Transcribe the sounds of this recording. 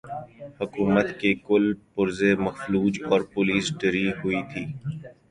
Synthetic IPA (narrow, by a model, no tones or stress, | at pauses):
hʊkuːmət̪kekʊlpʊɾzemɐxfluːd͡ʒɔːɾpʊliːsɖɪɾiɦʊit̪ʰiː